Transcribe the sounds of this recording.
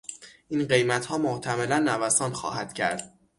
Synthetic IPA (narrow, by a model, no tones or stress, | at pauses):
ʔinɢe̞jmæt̪hɒːmoht̪ʰæmelænːævæsɒːnxɒ̰ːhæd̪̥cʰæ̰ɾd̪̥